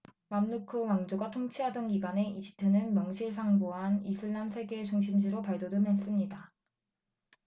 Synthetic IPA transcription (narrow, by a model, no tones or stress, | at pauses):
mamnukʰɯwaŋd͡ʑoɡatʰoŋt͡ɕʰiɦadʌnɡiɡwane̞id͡ʑi̥p̚tʰenɯnmjʌŋɕʰiɭsʰaŋbuɦanisʰɯɭːamsʰe̞ɡe̞t͡ɕuŋɕʰimd͡ʑiɾopaɭdodɯmɦes͈ɯmɲida